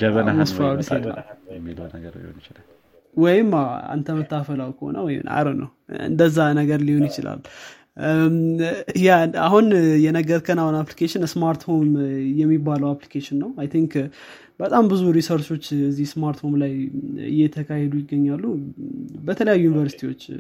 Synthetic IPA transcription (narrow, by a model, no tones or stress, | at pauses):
əβənmsfawlsea̰ioḭola | wɔjɪmaa̰nt̪ʰəmɨt̪ʰːafəlawkʰəho̰nə̰wɔjɪ̰mna̰ɾənə̰w | ɨ̰nd̪əzːanəɡəɾliho̞njɪt͡ʃɪla̰l | jaa̰ɦunjɛnəɡəɾkʰənahunaplikʰeʃɪnsmaɾt̪ho̞mjɛmːibːaləwaplikʰeʃɪnːəwajt̪ʰiŋk | bət̪ʼambɨzuɾisoɾt͡ʃo̞t͡ʃːɨzːihsmaɾt̪ho̞mlajɨ̰jɛt̪ʰəkʰahɛd̪ujɪɡːəɲːalːu | bət̪ʰələjajːujnivəɾsit̪ʰiwo̞t͡ʃː